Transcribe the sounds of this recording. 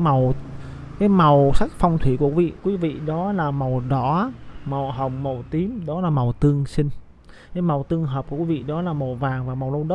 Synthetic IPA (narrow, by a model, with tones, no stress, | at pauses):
ma˨˩w | kaː˨˦jma˨˩wsa˦˥jk̚fa˧wŋ͡mt̪ʰwi˧˩ku˧˩kvḭ˧˨kwi˨˦vḭ˧˨ɗɔ˨˦laː˨˩ma˨˩wɗɔ˧˦ma˨˩wɦə˨˩wŋ͡mma˨˩wt̪i˨˦mɗɔ˨˦laː˨˩ma˨˩wt̪ɨ˧əŋsï˧ŋ̟ | kaː˨˦jma˨˩wt̪ɨ˧əŋɦə˨˩p̚ku˧˩kwi˨˦vḭ˧˨ɗɔ˨˦laː˨˩ma˨˩wvaː˨˩ŋvaː˨˩ma˨˩wlə˧wɗə˦˥